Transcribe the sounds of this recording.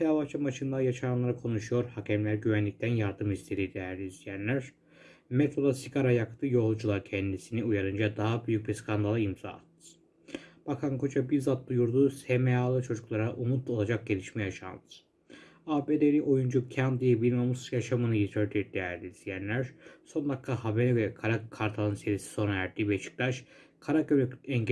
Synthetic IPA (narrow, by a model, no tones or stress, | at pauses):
sʰeavat͡ʃʰamat͡ʃʰɯnd̪ajaʃaɾanlˠaɾakʰo̞nuʃujo̞ɾhacʰɛmlʲæɾɟyβænlʲic̚t̪ʰænjaɾd̪ɯmist̪ʰe̞ɾid̪ejæɾlʲizijænlʲæɾ̥ | met̪ʰod̪asiɡaɾajakt̪ʰɯjo̞lˠd͡ʒulˠaɾcʰɛnd̪isiniujaɾɯnd͡ʒad̪aɦabyjyc̚biɾskʰand̪alˠɯimz̥a̰ːt̪ʰːɯ̥ | b̥akʰankʰot͡ʃabiɾzat̪̚d̪ujuɾd̪usemeaːlˠɯt͡ʃʰo̞d͡ʒuklˠaɾaʔumut̪̚ˠo̞lˠad͡ʒak̚ɟe̞lʲiʃmɛjaʃa̰nd̪ɯ̥ | aːbed̪eliʔo̞jund͡ʒucʰand̪ijɛbilʲmamusjaʃamɯnɯjit̪ʰøɾd̪iɾd̪̥ejæɾd̪ʲiizijænlʲæɾso̞nd̪akk̪ʰahabenɛvɛɛkʰaɾakʰːaɾt̪ʰanˠɯnse̞ɾisi̥so̞naæɾd̪iːbɛt͡ʃʰɯ̥k̚laʃ | kʰaɾakøɛɲ